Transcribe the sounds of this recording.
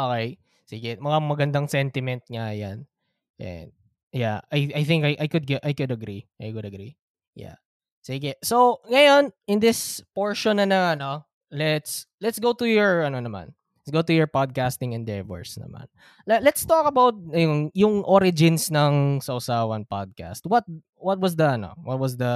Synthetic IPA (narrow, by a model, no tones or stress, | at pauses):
ʔokɛj | siːɡɛmɐŋamɐɡɐnd̪aŋsɛnt̪ɪmɛnt̪̚ŋaja̰n | ʔɛ̰nd̪̚ | jaajajθɪŋkajʔajkʊd̪̚ɡɛʔajkʊd̪ɐɡɾiʔajkʊd̪ɐɡɾi | ja̰ | siːɡɛsowŋɐjonʔɪnd̪ɪspoɹʃonːɐnɐɐno | lɛt̪slɛt̪sɡowt̪ʊjɔɹʔɐnonɐmã̰n | lɛt̪sɡowt̪ʊjɔɹpad̪̚kast̪ɪ̃ŋɛnd̪ɛvɔ̰ɹsnɐ̰ma̰n | lɐlɛt̪st̪okɐbawt̪̚nɐjʊŋjʊŋʔoɾɪd͡ʒɪnsnɐŋsɐʔʊsaːwɐnpa̰d̪̚ka̰st̪̚wɐt̪̚ | wɐt̪̚wɐsd̪ɐɐno̰wɐt̪̚wɐsd̪ɐ